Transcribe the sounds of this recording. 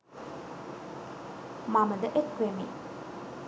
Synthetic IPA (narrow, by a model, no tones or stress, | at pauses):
mamɐd̪ɐʔet̚kɾemi